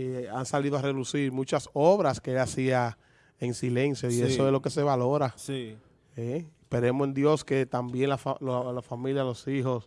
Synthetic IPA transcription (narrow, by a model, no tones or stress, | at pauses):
eansaliðoare̞ðusiɾmũt͡ʃaso̞βɾaskeelasia | e̞ŋsile̞nsjo̞iesoeslo̞ke̞se̞βalo̞ɾasi | e | pe̞ɾe̞mosend̪jo̞ske̞t̪ambje̞nlafalolafamiljalo̞siɦo̞s